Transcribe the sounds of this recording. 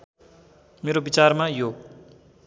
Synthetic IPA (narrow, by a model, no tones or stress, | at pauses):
meɾobit͡sarmajo